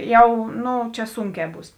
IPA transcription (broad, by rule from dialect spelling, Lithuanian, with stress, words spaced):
ˈjɛʊ ˈnʊ ˈt͡ʃʲɛ ˈsʊŋʲˌkʲɛː ˈbuːs